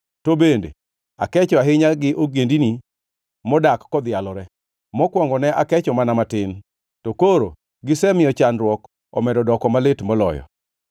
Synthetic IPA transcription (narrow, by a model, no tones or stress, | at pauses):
tobendḛ | a̰kɛt͡ʃɔaɦɪɲaɡɪʔoɡendini | mɔdakːɔd̪ɪjalɔɾɛ | mɔkwɔŋɡɔnɛʔakɛt͡ʃɔmanamatɪn | tɔkoɾo̰ | ɡɪsɛmɪjɔt͡ʃanɾwɔk | ɔ̰mɛdɔdɔkɔmalɪtmɔlɔ̰jɔ̰